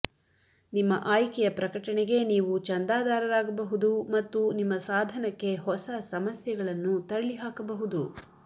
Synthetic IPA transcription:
nimːɐʔaːjkɛjɐpɾɐkɐʈɐɳɛɡe̞niːʋut͡ʃɐnd̪aːd̪aːɾɐɾaːɡɐbɐɦud̪umɐt̪ːunimːɐsaːd̪ʱɐnɐkːe̞ɦɔsɐsɐmɐsjɐɡɐɭɐnːut̪ɐɭɭiɦaːkɐbɐɦud̪u

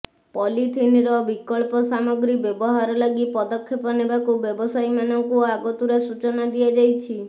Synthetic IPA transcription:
pɔlit̪ʰiniɾɔbikɔɭpɔsamɔɡɾibjɔbɔɦaɾɔlaɡipɔd̪ɔkʰːjepɔnebakubjɔbɔsajmanɔŋkuaɡɔt̪uɾesut͡ʃɔnad̪iad͡ʒajt͡ʃʰi

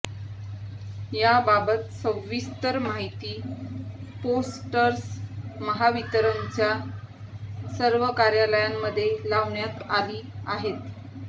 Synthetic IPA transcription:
jababət̪̚səʋist̪əɾmaɦit̪iː | posʈəɾsməɦaʋit̪ɾənt͡ɕja | səɾʋəkaɾjaləjamːəd̪ʱːjelaʋɳjat̪aliːaɦet̪

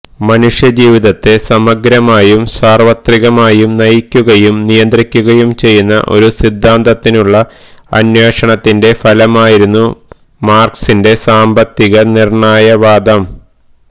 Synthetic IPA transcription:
mɐnuʂjɐd͡ʑiːʋiðɐt̪ːesɐmɐɡɾɐmaːjumsaːrʋɐt̪riɣɐmaːjumnɐjikʲːuɣɐjumnijɐnd̪rikʲːuɣɐjumt͡ɕe̞jːunːɐ̰ʔo̞̰ɾusid̪ʱːaːnt̪ɐt̪ːinuɭːɐ | ɐ̰njeːʂɐɳɐt̪ːinde̞fɐlɐmaːjiɾunːu | maːrksinde̞saːmbɐt̪ːiɣɐnirɳaːjɐʋaːd̪ɐm

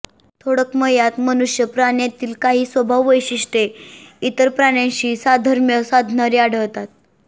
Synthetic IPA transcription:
t̪ʰoɽəkməjat̪mənuʂjəpɾaɽjat̪iːlkaɦiːsʋəbʱaʋːəjɕiʂʈeit̪əɾpɾaɽ̃jãɕiːsad̪ʱəɾmjəsad̪ʱnaɾiaɽ̤əʋt̪at̪̚

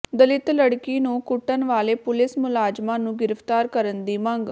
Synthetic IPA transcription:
d̪əlɪt̪ləɽkiːnũːkʊʈːənʋaːleːpʊlɪsmʊlaːd͡ʒmãːnũːɡɪɾəpʰt̪aːɾkəɾənd̪iːmə̃ŋɡ

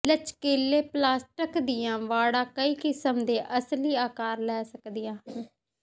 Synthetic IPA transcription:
lət͡ʃkeːlːeːplaːsʈəkd̪ɪjãːʋaːɽãːkəiːkɪsəmd̪eːʔəsliːaːkaːɾlɛːsəkd̪ɪjãː

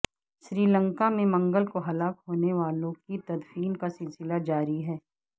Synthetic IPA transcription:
ʃɾiːlə̃ŋkamẽmɐ̃ŋɡəlkoɦɐlaːkɦoːneʋaːlõkit̪ɐd̪fiːnkasɪlsɪlad͡ʒaːɾiɦɛː

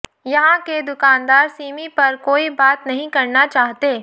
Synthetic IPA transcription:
jɐɦãked̪ʊkaːnd̪aːɾsiːmipɐɾkoːibaːt̪nɐɦĩkɐɾnat͡ʃaːɦt̪eː

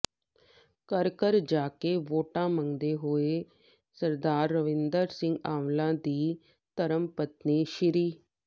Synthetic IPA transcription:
kəɾkəɾd͡ʒaːkeːʋoːʈãːməŋd̪eːɦoːeː | səɾd̪aːɾːəʋɪnd̪əɾsɪ̃ŋɡaːʋlãːd̪iː | t̪əɾəmpət̪niːʃɪɾiː

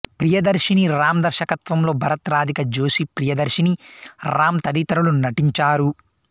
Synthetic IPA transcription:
pɾijɐd̪ɐɾʃiniɾaːmɐd̪ɐɾʃɐkɐt̪ʋɐmlo̞ːbʱɐɾɐt̪ɾaːd̪ʱikɐd͡ʒoːʃipɾijɐd̪ɐɾʃiniɾaːmt̪ɐd̪iːt̪ɐɾulunɐʈiɲt͡ʃaːɾu

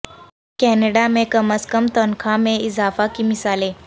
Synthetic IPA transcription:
kɛːneɽamẽkəməskəmt̪ɔnkʰãmẽɪzaːfakimɪsaːleː

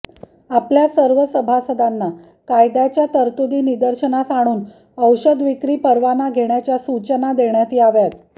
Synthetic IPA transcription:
apljasəɾʋəsəbʱasəd̪anːa | kajd̪jat͡ɕjat̪əɾt̪ud̪iːnid̪əɾɕənasaɽ̃uːn | əwɕəd̪ʋikɾiːpəɾʋanaɡʱeɳjat͡ɕjasut͡ɕənad̪eɳjat̪iːaʋjat̪

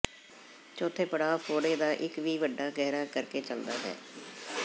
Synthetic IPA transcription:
t͡ʃoːt̪ʰːeːpəɽaːpʰoːɽeːd̪aːʔɪkʋiːʋəɖːaːɡɛːɾaːkəɾkeːt͡ʃəld̪a̰ːɦɛ̰ː

